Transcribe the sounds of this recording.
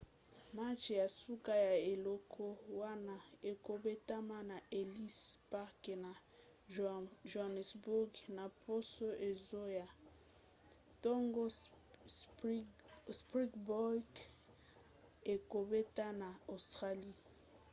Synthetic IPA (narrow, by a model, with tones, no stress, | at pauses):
ma˦t͡ʃja˨su˦ka˦ja˨e˨lɔ˦kʰo˦wa˦na˦e˨ko˨be˦ta˦ma˦na˨e˨li˦spa˦ke˨na˨ | ʒo˨a˨nɛ˨sbu˦ɡna˨po˦so˦ʔe˨zo˦ja˨ | to˦ŋɡo˦ | spʁi˦ɡbɔ˦k | e˨ko˨be˦ta˦na˨o˨stʁa˦li˦